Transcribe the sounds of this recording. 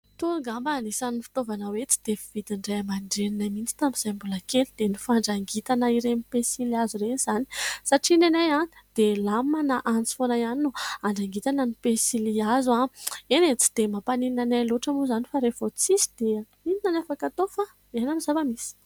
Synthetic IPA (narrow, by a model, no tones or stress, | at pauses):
t̪uɾuŋɡambanisanifi̥t̪ovanawet͡si̥d̪̥efi̥v̥id̪iɳɖ͡ʐajamaɳɖ͡ʐeninamint͡si̥t̪amiz̥ajmbulakelid̪̥enifaɳɖ͡ʐaŋɡit̪anəiɾenipesiliazuɾeniz̥ani̥saʈ͡ʂinenajad̪̥elamanaʔant͡si̥fonajaninuaɳɖ͡ʐaŋɡit̪anənipesiliazuaenet͡si̥d̪̥emapanininanaloʈ͡ʂamuzanifaɾevot͡sisi̥d̪̥e | ininanafakat̪ofa | enamizavamisi̥